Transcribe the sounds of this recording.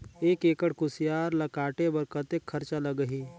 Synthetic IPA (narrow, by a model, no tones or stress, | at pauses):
eːkeːkəɽkʊsijaːɾləkaːʈebəɾkət̪ekʰːəɾt͡ʃaləɡəɦi